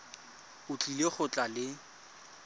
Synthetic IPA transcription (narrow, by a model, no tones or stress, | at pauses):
ʊt͡ɬʼileχʊt͡ɬʼalɪ